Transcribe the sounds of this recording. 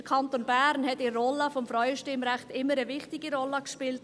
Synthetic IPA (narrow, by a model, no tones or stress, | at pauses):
əkʰɑntoːnbæɾnhɛtirɔləfɔmfɾœʏəʃtɪmɾɛχtɪmːəɾəvɪχtɪɡiɾɔləkʃpɪlt